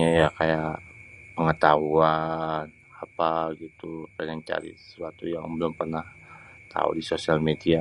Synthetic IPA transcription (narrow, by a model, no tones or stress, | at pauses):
ajakajaʔpəŋət̪aɦuan | apaɡit̪upanaŋt͡ʃa̰ɾḭəə̥suat̪uja̰ŋbəlʊmpərnaht̪a̰ṵdisosialmedia